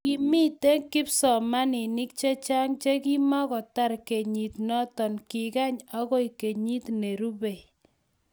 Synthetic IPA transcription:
ki˨mi˦te˦ŋkɪ˦psɔ˨ma˦nɪ˨nɪ˦k̚t͡ʃe˦t͡ʃa˦ŋt͡ʃe˦ki˦ma˦kɔ˨ta˦ɾke˨ɲi˨t̪nɔ˦tɔ˨nkɪ˨ka˦ɲa˦kɔ˦i˨ke˨ɲi˦tne˨ɾu˦be˨

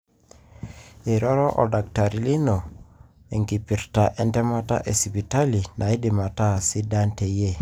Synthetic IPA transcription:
e˨ɾɔ˦ɾɔ˦ʔɔ̰˨da˨kta˨ɾi˨li˦nɔ˨ | e˨ŋɡi˨pi˨ɾta˨ʔɛ˨ndɛ˦ma˦ta̰˦ʔe˨si˨bi˨ta˦li˨nʔa˨i˦di˨ma˨ta˦˨si˦da˦nte˨je˦˨

